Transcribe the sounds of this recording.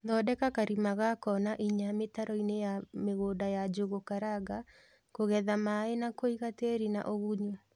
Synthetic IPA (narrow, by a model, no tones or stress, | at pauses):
ðɔdɛkakaɾimaɣakɔnaʔiɲametaɾɔinejameɣoːdajad͡ʒoɣokaɾaɡa | koɣɛðamaenakoiɣateɾina̰ʔoɣuɲu